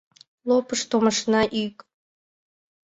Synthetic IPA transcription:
lˠopəʃt̪oməʃnɑʔik

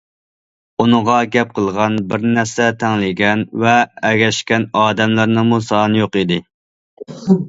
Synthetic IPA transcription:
unɨʁɑɡʲɛp̚qʰəlˠʁɑnbɪɾnæɾsɛt̪ʰɛŋlɪɡʲɛnvɛːɡʲɛʃkʲɛnɑːd̪ɛmlæɾnɨmusɑnjoqid̪ɪ

